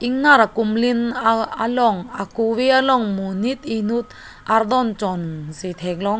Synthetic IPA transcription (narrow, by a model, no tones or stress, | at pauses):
ʔiŋnaɾakumlinalɔŋakuwealɔŋmunit̪̚inut̪̚ | ʔard̪ɔnt͡sɔnset̪ʰɛk̚lɔŋ